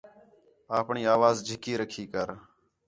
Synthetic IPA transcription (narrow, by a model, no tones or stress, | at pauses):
aːpɳiːaːʋaːzd͡ʒʱɪkiːɾəkʰiːkəɾ